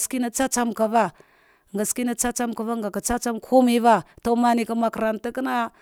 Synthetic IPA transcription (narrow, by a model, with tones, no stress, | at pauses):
ski˦na˨t͡sa˦t͡sa˦mka˨va˦ | ŋɡa˨ski˦na˨t͡sa˦t͡sa˦mka˨va˦ŋɡa˨ka˨t͡sa˦t͡sa˦mkʰu˦mi˦va˦to˦ma˦ni˨ka˦ma˨˦kɾa˨nta˦kə˦na˦